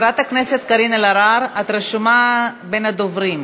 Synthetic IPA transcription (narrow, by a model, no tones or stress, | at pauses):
ɾat̪akneset̪kaɾinelaɾaɾat̪ɾeʃumabenad̪ovɾim